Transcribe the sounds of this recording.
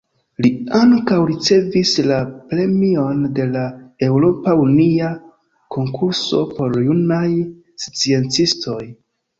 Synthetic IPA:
liaŋkawɾit͡se̞vislapɾe̞mio̞nde̞lae̞wɾo̞paunia | ko̞ŋkuɾso̞̰po̞ɾjunaj | st͡sie̞nt͡sisto̞j

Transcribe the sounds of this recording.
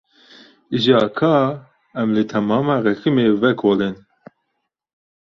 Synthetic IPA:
iʒɑːkʰɑː | ɛmlɨt̪ʰɛmɑːmɑːɾɛxɨmeːvɛkʰoːlen

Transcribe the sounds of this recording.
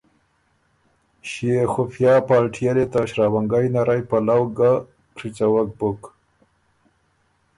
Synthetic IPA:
ʃiexʊfjɑːpɑːlʈʰijalet̪aɕɾawaŋɡajnaɾajpalawɡa | kɾit͡sawak̚bʊk

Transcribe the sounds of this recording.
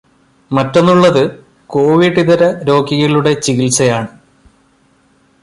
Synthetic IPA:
mɐtːo̞nːuɭːɐðɨ | ko̞ːʋiɖiðɐɾɐɾo̞ːɡiɣɐɭuɽe̞t͡ɕiɣilsɐjaːɳɨ

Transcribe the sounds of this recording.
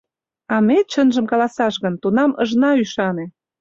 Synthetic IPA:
ɑmet͡ɕənʒə̆mkɑlɑsɑʃɣə̆nt̪unɑməʒnɑyʃɑne

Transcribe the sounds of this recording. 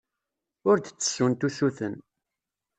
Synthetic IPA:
ʊɾd̪t͡sːə̥sːunt̪usuθən

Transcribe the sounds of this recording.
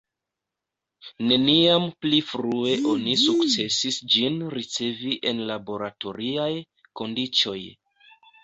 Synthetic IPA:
ne̞niamplifɾue̞ʔo̞nisukt͡se̞sisd͡ʒinɾit͡se̞viʔe̞nlabo̞ɾato̞ɾiaj | ko̞ndit͡so̞j

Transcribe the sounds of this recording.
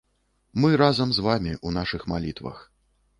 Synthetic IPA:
mɨɾazɐmzvamʲiʔunaʂɨxma̰lʲit̪vɐ̰x

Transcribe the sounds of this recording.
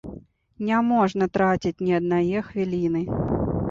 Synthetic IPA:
nʲɛmɔʐnɐt̪ɾat͡sʲitʲnʲiɐd̪najɛxvʲilʲinɨ

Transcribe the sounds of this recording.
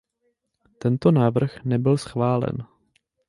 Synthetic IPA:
t̪ɛnt̪onaːvr̩xnɛbɪlsxvaːlɛ̰n

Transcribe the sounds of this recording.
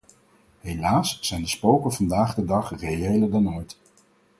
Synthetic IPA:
ɦejlaːsːɛjndəspowkəvɑndaːχdədɑχrejejlədɑnojt

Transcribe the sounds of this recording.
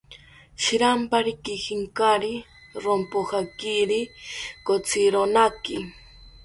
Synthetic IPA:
ʃiɾampaɾikixiŋkaɾi | ɾompoxakiɾikot͡sʰiɾonaki

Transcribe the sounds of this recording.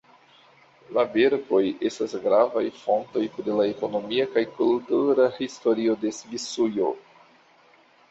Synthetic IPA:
laveɾbo̞je̞stasɡɾavajfo̞nto̞jpɾelaeko̞no̞miakajkultuɾahisto̞ɾio̞de̞svisujo̞̰

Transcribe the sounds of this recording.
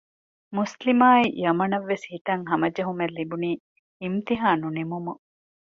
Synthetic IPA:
muslimaːijɐmɐnɐʋːeshit̪ɐŋɦɐmɐd͡ʒɐɦumelːibuniː | imt̪iɦaːnunimumu

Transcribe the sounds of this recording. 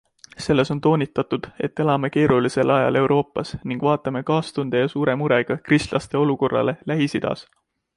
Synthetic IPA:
se̞lːe̞sont̪o̞ːnʲit̪ːˑɑt̪ud̪̥e̞t̪ːˑe̞lɑme̞ke̞ːɾulise̞lʔɑjɑ̰le̞wɾʔo̞ːpːˑɑsniŋɡ̥vɑːt̪ːˑɑme̞kɑːst̪und̪̥ejɑsuːɾe̞muɾe̞ɡ̥ɑkrist̪lʔɑst̪e̞o̞luko̞rːɑ̰le̞læɦisid̪̥ɑ̰s

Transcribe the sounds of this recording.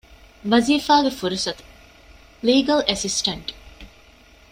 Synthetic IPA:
ʋɐziːfaːɡefuɾusɐt̪u̥ | liːɡɐlʔesisʈɐɳʈ

